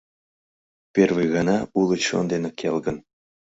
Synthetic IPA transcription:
pʲerviɣɑnɑulˠət͡ɕo̰nd̪enekʲʰelɡə̆n

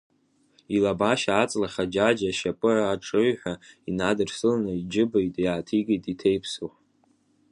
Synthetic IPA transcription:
ilabaʃaːt͡sʼlaχad͡ʒad͡ʒaʃapʼɨraːʈ͡ʂʼɨɥħʷᶣainadɨrsɨlanɨid͡ʒɪbejtʼjaːtʰiɡijtʼitʰejpʰsu

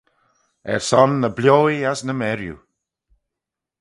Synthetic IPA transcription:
ɛ̰ɹsɔnːəblʲjoːiasnəmɛɾjṵ

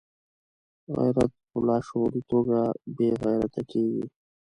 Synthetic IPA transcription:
ɣa̰jɾat̪̚pʊlɑːʃoɾit̪oɡabeɣajɾat̪akeɡḭ

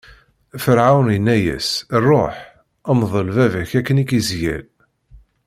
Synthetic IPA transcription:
fəɾʕawnjənːæjæ̰srˤːoħ | əmðˤəlvævæçækːənikizjæ̰l

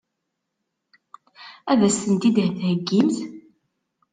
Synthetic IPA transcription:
æðæsθənt̪id̪hθhəɡːimθ

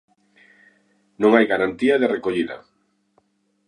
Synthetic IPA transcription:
nõŋajɣaɾant̪iɐðerekoʎiðɐ̰

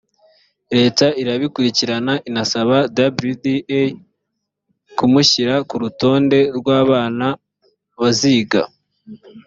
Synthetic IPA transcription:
ɾe̞ːtaiɾaβikuɾiciɾanaʔinasaβadabɾudie | kumuçiɾakuɾuto̞ːnde̞ɾɡwaːβaːna | βaziːɡa̰

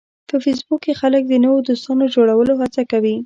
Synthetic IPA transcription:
pəfis̬bukːexalək̚d̪ənəwod̪ost̪ɑnod͡ʒoɽawəloɦat͡sakawi

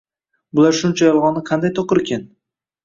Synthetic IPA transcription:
bʊlaɾʃʊnt͡ʃʰajɒlˠʁɒnːɪqʰɑnd̪ajt̪ʰoqɨɾkʲʰan

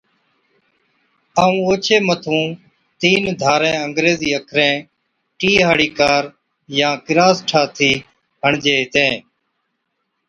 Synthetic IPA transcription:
aːũːoːt͡ʃʰeːmət̪ʰũː | t̪iːnd̪ʱaːɾɛ̃ːəŋɡɾeːziːəkʰɾɛ̃ː | ʈiːɦaːɽiːkaːɾ | jãːkɪɾaːsʈʰaːt̪ʰiː | ɦəɳd͡ʒeːɦɪt̪ẽː

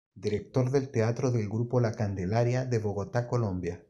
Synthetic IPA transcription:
d̪iɾek̚t̪o̞ɾðe̞lt̪eat̪ɾoðe̞lɡɾupolakand̪elaɾjaðe̞βo̞ɣot̪ako̞lombja

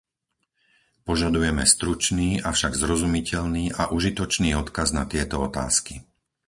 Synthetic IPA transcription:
pɔʒad̪ujɛmɛst̪ɾut͡ʃniːʔafʃaɡzɾɔzumicɛʎniːʔaʔuʒit̪ɔt͡ʃniːɔt̪kaznat̪ɪɛt̪ɔɔt̪a̰ːski

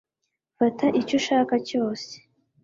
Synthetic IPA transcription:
fataʔicoʃaːkaco̞ːse̥

